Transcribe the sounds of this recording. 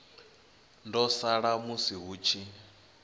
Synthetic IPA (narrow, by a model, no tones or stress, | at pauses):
ndɔsaɺamusiɦut͡ʃʰi